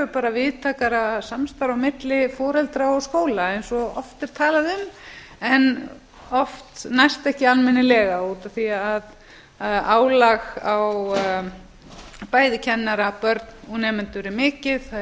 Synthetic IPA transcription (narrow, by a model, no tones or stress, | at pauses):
ʏpaːɾavɪðt̪ʰaːkaɾasamst̪aɾawmɪt̪lɪfɔːɾɛlt̪ɾaɔskoːwlaɛjnsɔɔft̪ɛɾ̥t̪ʰaːlaðʏm | ɛn | ɔft̪najst̪ɛhcɪanmɪnːɪlɛːɣauːt̪aθiað | aːwlaɣaw | paːjðɪcʰɛnːaɾapœɾt̪nɔɣnɛːmɛnt̪ʏɾɪmɪːcɪð